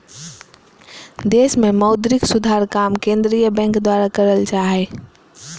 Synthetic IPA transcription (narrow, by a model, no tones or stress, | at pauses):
d̪esmeməʊd̪ɾɪksud̪ʱaɾkamkẽnd̪ɾijəbɛ̃ŋkd̪waɾakəɾəlt͡ʃaɦe